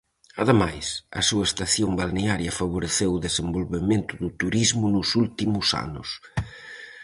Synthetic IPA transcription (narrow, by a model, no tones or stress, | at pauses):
ɐðemajsɐ̰suɐest̪aθjombalneaɾjɐfaβ̞oɾeθewʊðesembolβemẽnt̪ʊðʊt̪uɾizmʊnʊsult̪imʊsa̰nʊ̰s